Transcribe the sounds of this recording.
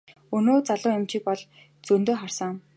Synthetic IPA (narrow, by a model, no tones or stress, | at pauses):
ɵnoːt͡saɮʊːʊmt͡ɕɪ̆k̚pɔɮ | t͡sɵnt̪oːχar̥sə̆ŋ